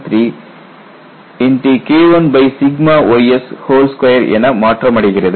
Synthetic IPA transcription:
t̪ɾi | iɳʈikeːʋɐnbɐjsiɡmaʋɐjeshoːlskʋɐjɐɾḛnɐmaːʈɾɐmɐɽiɡiɾid̪

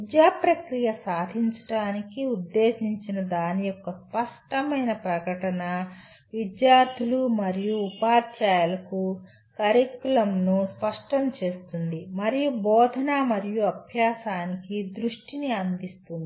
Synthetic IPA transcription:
id̪jaːpɾɐkɾijɐsaːd̪ʱiɲt͡ʃɐ̥ʈaːnikiud̪ːe̞ːsiɲt͡ʃinɐd̪aːnijɔkːɐspɐʂʈɐmɐjnɐpɾɐɡɐʈɐnɐ | ʋid̪jaːɾt̪ʰulumɐɾijuːpaːɾt͡ʃaːjɐlɐku | kɐɾɐkːulɐmnuspɐʂʈɐmt͡ʃe̞ːst̪und̪imɐɾijubɔːd̪ʱɐnamɐɾijuɐbʱjaːsaːnikid̪ɾuʂʈiniɐnd̪ist̪und̪ii

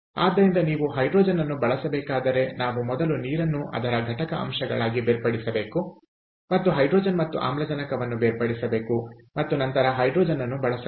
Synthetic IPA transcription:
a̰ːd̪ːɐɾind̪ɐniːʋuɦɐjɖɾoːd͡ʒɐnːɐnːubɐɭɐsɐbɛːkaːd̪ɐɾe̞naːʋumɔd̪ɐluniːɾɐnːuʔɐ̰d̪ɐɾɐɡʱɐʈɐkɐʔɐ̰mʃɐɡɐ̰ɭaːɡibeːɾpɐɽisɐbe̞ːku | mɐt̪ːuɦɐjɖɾoːd͡ʒɐnmɐt̪ːuʔa̰ːmlɐd͡ʒɐnɐkɐʋɐnːubeːɾpɐɽisɐbe̞ːkumɐt̪ːunɐnt̪ɐɾɐɦɐjɖɾoːd͡ʒɐnːɐnːubɐɭɐsɐ

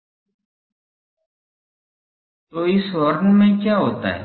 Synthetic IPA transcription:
t̪oːɪsɦoːɾənmẽːkjaːɦoːt̪a̰ːɦɛ̰ː

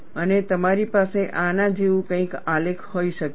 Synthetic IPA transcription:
ənet̪əmaɾipaseʔanãd͡ʒeʋũkə̃ĩkalekʰhoiʃək

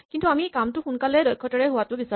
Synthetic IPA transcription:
kintuamikamtʊxunkalɛdɔjkʰːɔtɔɹɛɦʊwatʊbisa

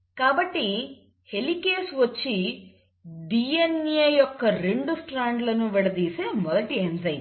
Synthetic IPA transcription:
kaːbɐʈːi | helikeːsʋɐt͡ʃːi | ɖiːenjɐjɔkːɐɾeɳɖusʈɾaːɳɖlɐnːuʋɛɽɐd̪iːsemɔd̪ɐʈiɦenzɐjn

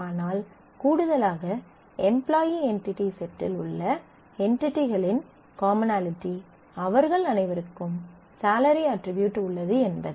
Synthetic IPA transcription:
aːnaːl | kuːɽɯðɐlaːɣɐ | ɛmplaːjiɛnʈɪʈːisɛʈːɪ̰lʊ̰ɭːɐ | ɛɳʈɪʈːiɣɐɭɪn | kaːmɪnaːlɪʈːi | ɐʋɐɾɣɐɭɐnɐɪʋɐɾɯkːɯm | saːlɐɾiɐʈɾɪbjuːʈːʊɭːɐðɯɛnbɐðɯ

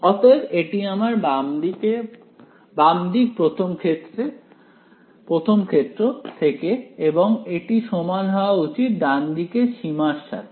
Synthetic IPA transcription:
ɔt̪ebeʈiamaɾbamd̪ike | bamd̪ik̚pɾot̪ʰomkʰet̪ːɾe | pɾot̪ʰomkʰet̪ːɾot̪ʰekeeboŋeʈiʃɔmanɦɔoaut͡ɕit̪̚d̪and̪ikeʃimaɾʃːa̰t̪ʰ

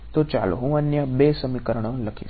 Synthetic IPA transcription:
t̪ot͡ʃa̰ːlo̰ɦũɐnjəbeːsɐmikəɾəɽ̃õlɐkʰḭ

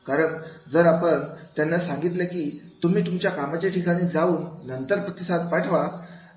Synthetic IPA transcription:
kaɾəɳd͡zəɾapəɳt̪janːasãŋɡit̪ləkiːt̪um̤iːt̪umt͡ɕjakamat͡ɕjaʈʰikaɽ̃ĩːd͡zauːnnənt̪əɾpɾət̪isat̪paʈʰʋa

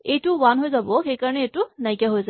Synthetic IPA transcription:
eʈuwanɦojzaboxekaɹəneːʈunajkjaɦojza

